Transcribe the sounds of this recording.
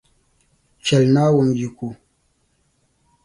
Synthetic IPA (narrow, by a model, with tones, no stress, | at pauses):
t͡ʃɛ˨lna˦wu˨md͡ʒi˨ku˨